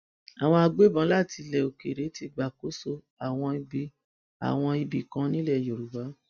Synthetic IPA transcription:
a˨w̃ɔ̃˧a˧ɡ͡be˦bã˨˦la˦˨ti˧lɛ˨o˨ke˨ɾe˨˦ti˧ɡ͡ba˨ko˨˦so˧˦ | a˨w̃ɔ̃˧i˧bi˧ | a̰˨w̃ɔ̃˧i˧bi˨kã˧˦nĩ˦lɛ˦˨jo˨ɾu˨ba˨˦

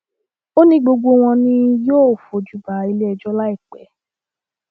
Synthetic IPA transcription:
o˦nĩ˧˦ɡ͡bo˧ɡ͡bo˧w̃ɔ̃˧nĩ˧joː˦˨fo˨d͡ʒu˨˦ba˨i˧le˦ɛ˧d͡ʒɔ˦la˦i˦˨k͡pɛ̰˨˦

